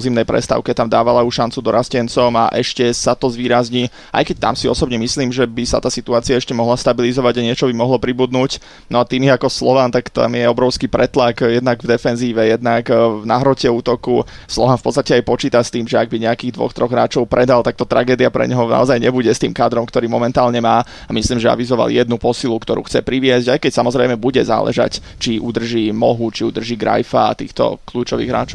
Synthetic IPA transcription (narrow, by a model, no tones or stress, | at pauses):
zimnɛjpɾɛ̰st̪a̰ʊkɛt̪amd̪aːʋalauʃant͡sud̪ɔɾascɛnt͡sɔma̰ʔɛʃcɛsat̪ɔzʋiːɾazɲiː | ʔa̰jkɛc̚t̪a̰msiɔsɔbɲɛmisliːmʒɛbisa̰t̪aːsit̪uaːt͡siaɛʃcɛmɔɦlast̪abilizɔʋaɟaɲɪɛt͡ʃɔbimɔɦlɔpɾibud̪nuːc | nɔat̪iːmjɛakɔslɔʋant̪akt̪a̰mjɛɔbɾɔʊskipɾɛt̪lakjɛd̪naɡvd̪ɛfɛnziːʋɛjɛd̪naknaɦɾɔcɛuːt̪ɔku | slˠɔʋanfpɔtt͡sst̪acɛajpɔt͡ʃiːt̪ast̪iːmʒɛaɡ̚biɲɛakiːɣd̪ʋɔ̰xt̪ɾɔɣɦɾa̰ːt͡ʃɔʊpɾʔɛd̪alt̪ak̚t̪ɔt̪ɾaɡɛːd̪iapɾɛ̰ɲɦɔna̰ɔzajɲɛbuɟɛst̪iːmkaːd̪ɾɔmkt̪ɔɾiːmɔmɛnt̪aːlɲɛmaː | amisliːmʒɛa̰ʋizɔʋa̰ljɛd̪nupɔsilukt̪ɔɾuːxt͡sɛpɾiʋɪɛzɟajkɛcsamɔzɾɛjmɛbuɟɛza̰ːlʔɛ̰ʒa̰c | t͡ʃiʔud̪r̩ʒiːmɔɦut͡ʃiud̪r̩ʒiːɡɾa̰jfa̰t̪ḭːxt̪ɔ̰kluːt͡ʃɔʋḭːɣɦɾa̰ːt͡ʃɔʊ